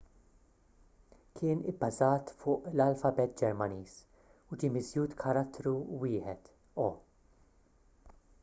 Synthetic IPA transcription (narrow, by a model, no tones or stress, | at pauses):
kʰɪːnɪ̰bːɐzɐːt̪fʊːʔlɐlfɐbɛt̪̚ːd͡ʒɛɾmɐniːs | ʊd͡ʒiːmɪzjuːt̪kʰɐɾɐt̪ːɾuwɪːħɛt̪ | ɔː